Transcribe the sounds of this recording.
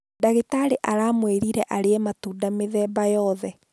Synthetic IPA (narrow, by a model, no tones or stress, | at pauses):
daɣetaɾeʔaɾaːmweɾiɾɛʔaɾeɛmatuːdameðɛbajɔðɛ